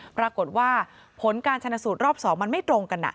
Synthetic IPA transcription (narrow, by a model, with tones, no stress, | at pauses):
pɾa˧ko˨˩t̪̚waː˥˩ | pʰo˩˦nkaː˧nt͡ɕʰa˧na˧˩suː˨˩t̪̚ɾɔː˥˩p̚sɔː˩˦ŋma˧nma˥˩jt̪ɾo˧ŋka˧nːa̰˨˩